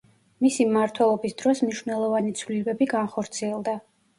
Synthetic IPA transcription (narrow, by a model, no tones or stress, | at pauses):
misimmaɾt̪ʰwɛlˠɔbisd̪ɾɔsmniʃvnɛlˠɔvanit̪sʰvlilɛbɛbiɡanχɔɾt̪sʰiɛlˠd̪a